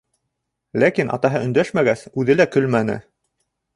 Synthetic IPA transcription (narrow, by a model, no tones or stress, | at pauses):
lækinʔɑ̰t̪ɑɦɤɵ̆nd̪æʃmæɡæsʉðɘlækɵlmænɘ̰